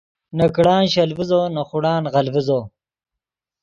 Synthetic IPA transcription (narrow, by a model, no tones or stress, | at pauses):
nɐkɽɑːnɕɐlvizoːnɐχuɽɑːnʁɐlvizoː